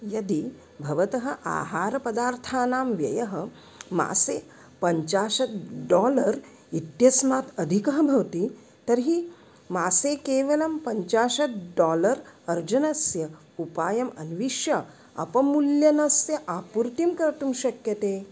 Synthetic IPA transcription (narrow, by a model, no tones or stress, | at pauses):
jɐd̪i | bʱɐʋɐt̪ɐɦɐ̆ʔa̰ːɦaːɾɐpɐd̪aːɾt̪ʰaːnaːmʋjɐ̰jɐɦɐ̆ | ma̰ːseː | pɐɲt͡ʃaːʃɐt̪̚ɖɔːlɐɾ | it̪jɐsmaːt̪ʰɐd̪ʱikɐɦɐbʱɐʋt̪i | t̪ɐɾɦi | maːseːkeːʋɐlɐmpɐɲt͡ʃaːʃɐt̪̚ɖɔːlɐɾɐɾd͡ʒɐnɐsjɐ | upaːjɐmɐnʋiʃjɐ | ɐ̰pɐmuljɐnɐsjɐʔaːpuɾt̪imkɐɾt̪umʃɐkjɐt̪eː